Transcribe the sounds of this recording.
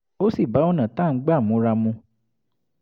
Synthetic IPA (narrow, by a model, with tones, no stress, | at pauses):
o˦si˦˨ba˨˦o˦nã˨t̪a˦˨ŋ̩˦ɡ͡ba˦˨mũ˨˦ɾa˧mũ˧